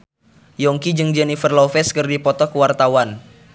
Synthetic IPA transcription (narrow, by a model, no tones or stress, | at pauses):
jɔŋkid͡ʒɨŋd͡ʒɛnifərlɔfɛskərdipɔt̪ɔkəwart̪awan